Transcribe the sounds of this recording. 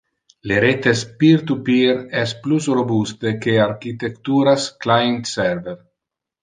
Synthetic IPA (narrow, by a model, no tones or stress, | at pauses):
leɾet̪espiɾt̪upiɾɛsplusrobust̪ekeaɾkit̪ekt̪uːɾasklajent̪sɛɾveɾ